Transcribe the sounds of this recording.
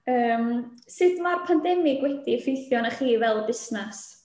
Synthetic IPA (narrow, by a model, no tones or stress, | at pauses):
əːmsɨdmarpʰandɛmɪɡwɛdifɪjθjɔnaχiːvɛlˠbɪsnas